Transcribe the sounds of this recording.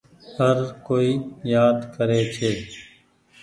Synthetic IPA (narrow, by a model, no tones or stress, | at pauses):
həɾkoːiːjaːd̪kəɾeːt͡ʃʰeː